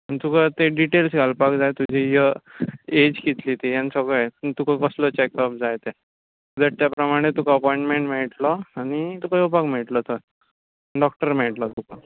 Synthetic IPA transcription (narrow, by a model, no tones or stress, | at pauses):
mənit̪ukat̪eɖiʈelsɡʱalpakd͡zajt̪ud͡ʑʱijə | ed͡ʑkit̪lit̪ejansəɡɭəjt̪ukakəslɔt͡ɕekɔp̚d͡zajt̪e | d̪aʈ̚t̪japɾəmaɽ̃et̪ukaəpɔiɳʈmẽɳʈm̤eɭʈlɔañit̪ukajopakm̤eɭʈlɔt̪o | ɖɔk̚ʈəɾm̤eɭʈlɔt̪uka